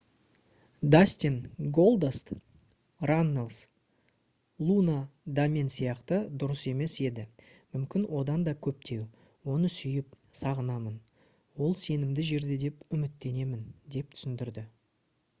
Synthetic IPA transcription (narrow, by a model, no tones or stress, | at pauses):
d̪asʲt̪inɡo̞lˠd̪est̪ | ranːelˠs | lˠunad̪amʲensijɑqt̪əd̪ʊɾəse̞me̞se̞d̪ɪ | mʏmkʲɪnwʔo̞d̪ɑnd̪ɑkʲʰɵp̚t̪ʰe̞w | wo̞nəsʏjɪp̚ | sɑʁənɑmən | wo̞lˠse̞nɪmd̪ɪʒe̞ɾd̪e̞d̪e̞pʏmɪt̪ːe̞ne̞mɪnd̪e̞p̚t̪ʰʏ̥sɪnd̪ɪɾd̪ɪ